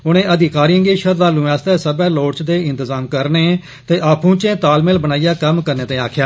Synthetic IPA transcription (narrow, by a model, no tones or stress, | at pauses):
ʊnẽːəd̪ɪkaːɾiːə̃ŋɡeːʃəɾd̪aːlũːaːst̪ɛːsəbɛːloːɽt͡ʃd̪eːɪ̃nt̪əzaːmkəɾneː | t̪eːʔaːpʰũːt͡ʃẽːt̪aːlmeːlbənaːijaːkəmkəɾnẽːt̪ẽːaːkʰjaː